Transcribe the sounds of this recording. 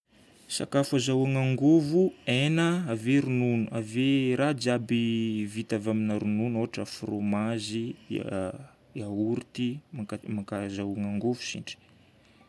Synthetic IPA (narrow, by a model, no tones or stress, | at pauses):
sa̰kafazawaŋaŋɡovuenəaveɾununuaveɾad͡ʒabivit̪avaminaɾununoaʈ͡ʂəfromazi | auɾit̪imaamakazawaŋaŋɡovu̥sḭɳɖ͡ʐi̥